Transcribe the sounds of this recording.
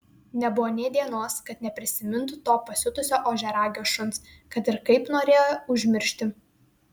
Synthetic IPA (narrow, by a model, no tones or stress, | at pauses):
nʲɛbʊʋoːnʲɛɪd̪ʲiɛnoːskɐt̪nʲɛpʲɾʲɪsʲɪmʲɪnt̪ʊt̪oːpɐsʲʊt̪ʊsʲoːʔoːʒʲɛɾɑːɡʲoːsʃʊns | kɐt̪ɪɾkɐɪpnoːɾʲeːjojoʊʒʲmʲɪɾʲʃʲt̪ʲɪ